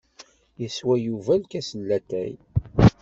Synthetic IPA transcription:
jəswæjuvælkæsəlːæt̪æ̰j

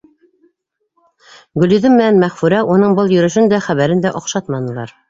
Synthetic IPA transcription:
ɡɵ̆lɵ̆ðɘmmːɘ̆nænmæχfʉɾæʔunɤɴbɤlˠjɵ̆ɾɘ̆ʃɘnd̪æχæβæɾɘnd̪æʔoqʃɑt̪mɑnɤ̆lˠɑ̰ɾ

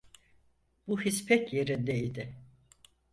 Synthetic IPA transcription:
b̥uhispʰɛcje̞ɾind̪ɛid̪ɪ

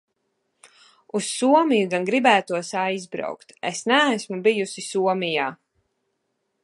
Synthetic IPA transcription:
usːuɔmijuɡanɡɾibæːt̪uɔsajzbɾa̰wkt̪ḛsnæːsmubijusisuɔmijaː

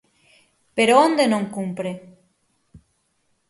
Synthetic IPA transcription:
peɾoond̪enõŋkumpɾe

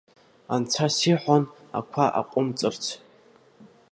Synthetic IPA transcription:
ant͡sʰasiħʷan | a̰kʷʰaʔa̰qʷʼʊmt͡sʼɨrt͡sʰ

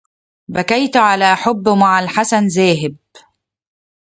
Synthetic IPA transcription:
bækajt̪ʕalæːʔħʊbːmaʕalħasanzæːɦɪb̚

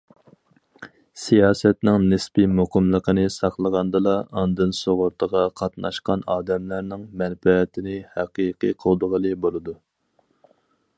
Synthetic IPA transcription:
sijɑːsɛt̪nɪŋnɪspimoqʰəmlˠəqənɨsɑqlˠəʁɑnd̪ɨlˠɑɑnd̪ɨnsoʁʊɾt̪ʰəʁɑqʰɑt̪nʔɑ̰ʃqɑnɑːd̪ɛmlæɾnɪŋmɛnfɛːt̪ʰɪnɪhæqiqijqʰəlˠd̪əʁəlˠɨbolˠɨd̪u

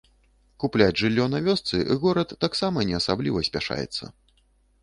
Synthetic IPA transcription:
kuplʲad͡zʲʐɨlʲːɔnavʲɔst̪sɨʔiɣɔɾɐt̪ːaksamɐnʲɛɐsablʲivɐsʲpʲaʂa̰jɛ̰t̪sːɐ̰

